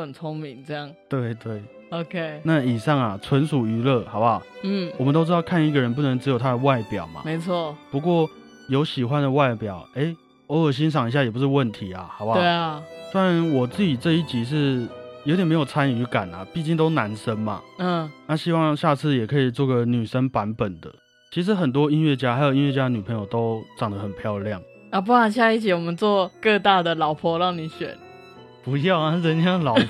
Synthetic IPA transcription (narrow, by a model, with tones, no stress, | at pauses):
ə˨˩nt͡sʰo˥ŋmi˧˥ŋt͡sə˥˧jɑ˥˩ŋt̪we˥˩ɪt̪we˥˩ɪ | o˧˦kʰe˥ɪna˥˨i˨˩ʂɑ˥˩ŋa˨˩t͡sʰwə˧˥nʂu˨˩y˧˥lɤ˥˩xɑ˨˧˥ʊba˧˦n̩˥˩wɔ˨˩mə˨no˥ʊʈ͡ʂɻ̩˥t̪ʊkʰa˥˧ni˧˥ɡə˨ɻə˧˦np̬u˥˩nə˧˦ŋʈ͡ʂɻ̩˧˥jo˨˩ʊt̪ʰa˦˥ə˨˧wa˥˩ɪpjɑ˨˩ʊma̰˦me˧˦ɪt͡sʰwɔ˥˩pu˧˦kwɔ˥˩ | jo˧˥ʊɕi˨˩xwa˧˦nd̪ə˨wa˥˩ɪpjɑ˨˩ʊe˥ɪ | wɔ˧˦˥jo˨˩ɕ̬i˥ŋʂ̬ɑ˨˩ŋi˧ɕ̬ja˥˩jɛ˨˩p̬u˧˦ʂ̬̩˥˧wə˥˨nt̪ʰi˨˧˥a̰˨˦hɑ˨˩ʊba˧we˦˥˩swa˥˩ɻa˨˦nwɔ˨˩t͡sɹ̩˥˩t͡ɕi˨˩t͡sɤ˥˧i˥˩t͡ɕi˧˥ʂ̬ɻ̩˥˩jo˧˥t̪jɛ˨˩nme˧˥jo˨˩ʊt͡sʰa˦˥ny˧˥ka̰˨˩na̰˨pi˥˧t͡ɕi˥˩ŋt̪o˥ʊna˧˥nʂə˦nmɐ̰˨˥˩na˥˧ɕi˥wɑ˥˧ŋɕja˥˧t͡sʰɹ̩˥˩jɛ˨˩kʰɤ˧˥i˨˩t͡swɔ˥˩ɡə˩ny˨˩ʂə˦npa˧˦˥npə˨˩nd̪ə̰˦ | t͡ɕʰi˧˥ʂ̬ɻ̩˧˥xə˨˩nt̪̬wɔ˦˥i˥nɥɛ˥˩t͡ɕja˥xa˧˥ɪjo˨˩ʊi˦˥nwɥɛ˥˧˩t͡ɕja˥ə˨ny˨˩pʰə˧˥jo˨˩ʊt̪o˥ʊʈ͡ʂɑ˨˩ŋd̪ə˦xə˨npʰjɑ˥˧ʊljɑ˥˩ŋ | a˥˧p̬u˧˥ka˨˩ɕ̬ja˥˧i˥˩t͡ɕʰi˨˩wɔ˨˩mə˨˦nt͡swɔ˥˧kɤ˥˧t̪a˥˩d̪ə˨lɑ˨˩˦ʊpʰɔ˧˥ɻɑ˥˩ŋni˨˩˦ɕɥɛ̰˨˩˦n | pu˧˥jɑ˥˩ʊa˨˥˧ə˧˦nt͡ɕjɑ˥˩ŋlɑ˨˦